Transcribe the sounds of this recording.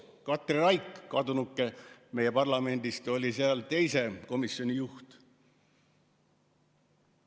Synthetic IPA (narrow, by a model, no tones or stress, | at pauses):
kɑt̪ːˑriɾɑjkːɑd̪unukːˑe̞me̞je̞pɑrlɑme̞nʲd̪̥ist̪o̞lʲiseɑlt̪e̞jse̞ko̞misːo̞nʲijuht̪